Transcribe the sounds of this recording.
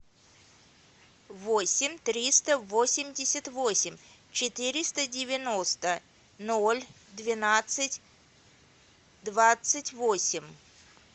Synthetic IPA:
vosʲɪmʲt̪ɾʲist̪əvosʲɪmʲdʲɪsʲət̪vosʲɪmʲ | t͡ɕɪt̪ɨɾʲɪst̪ədʲɪvʲɪno̞st̪ə | nolʲ | d̪vʲɪnat̪sɨtʲ | d̪vat̪sɨtʲvosʲɪmʲ

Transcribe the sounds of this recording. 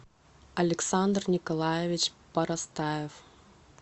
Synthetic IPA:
ɐlʲɛksand̪rnʲɪkɐlˠajɛvʲit͡ɕ | pɐɾɐst̪ajɛf

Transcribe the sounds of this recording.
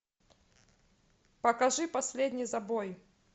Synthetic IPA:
pɐkɐʐɨpɐsʲlʲedʲnʲɪjzɐboj

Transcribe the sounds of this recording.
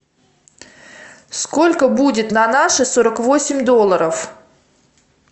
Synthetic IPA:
sko̞lʲkəbudʲɪt̪nɐnaʂɨsoɾəkvo̞sʲɪmʲd̪o̞lˠəɾəf

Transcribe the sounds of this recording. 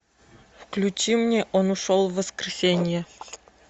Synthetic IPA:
fklʲut͡ɕimnʲeʔonuʂolˠvːəskrʲɪsʲenʲɪjə

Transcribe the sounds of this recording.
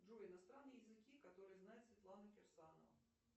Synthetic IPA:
uɪnast̪ɾanːəjəjɪzɨkʲikat̪oɾɨjznajɛt̪svʲɪt̪lˠanɐkʲɛrsanɐ̰vɐ̰

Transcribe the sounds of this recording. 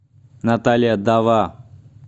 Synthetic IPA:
nat̪alʲɪjad̪aʋa

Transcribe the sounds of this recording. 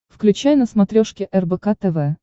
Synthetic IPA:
fklʲʉt͡ɕæjnəsmɐt̪ɾʲoʂkʲɪʔɛrbɛkat̪ɛvɛ

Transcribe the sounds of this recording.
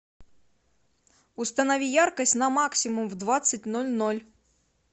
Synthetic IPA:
ust̪ɐnɐvʲijarkɐsʲtʲnɐmaksʲimumvd̪vat̪sːɨt̚ʲnɔlʲnɔlʲ

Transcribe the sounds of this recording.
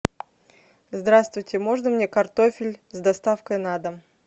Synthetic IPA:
zd̪ɾast̪vʊjtʲɪmoʐɨnəmnʲekɐrt̪ofʲɪlʲzd̪ɐst̪afkəjnad̪əm

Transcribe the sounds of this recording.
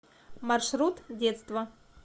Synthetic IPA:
mɐrʂɾut̪dʲet̪st̪vɐ

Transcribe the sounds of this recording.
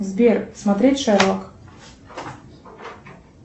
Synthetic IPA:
zbʲersmɐt̪ɾʲetʲʂɛɾlˠɔk

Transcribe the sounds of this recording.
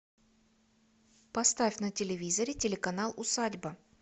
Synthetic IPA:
pɐst̪afʲnətʲɪlʲɪvʲizəɾʲɪtʲɪlʲɪkɐnalˠʊsadʲbə

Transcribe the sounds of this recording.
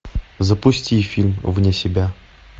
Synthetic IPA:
zəpʊsʲtʲifʲilʲmvnʲesʲɪbʲæ

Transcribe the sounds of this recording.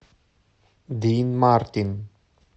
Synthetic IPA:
d̪iːnmaɾt̪ɪn

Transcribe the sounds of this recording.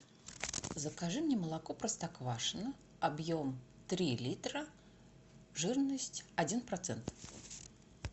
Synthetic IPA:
zəkaʐɨmnʲɪməlˠakopɾəst̪akvaʂɨnə | abjom | t̪ɾʲilʲit̪ɾə | ʐɨrnəsʲtʲɐdʲinpɾɐt̪sɛnt̪

